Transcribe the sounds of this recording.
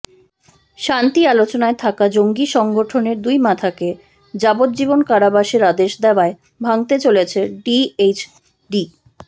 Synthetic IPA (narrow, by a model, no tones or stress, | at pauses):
ʃant̪ialot͡ɕonaet̪ʰakad͡ʑoŋɡiʃɔŋɡʱoʈʰoneɾd̪ujmat̪ʰake | d͡ʑabot̪̚d͡ʑibonkaɾabaʃeɾad̪eʃd̪ɛoae | bʱaŋt̪et͡ɕolet͡ɕʰeɖiet͡ɕ | ɖi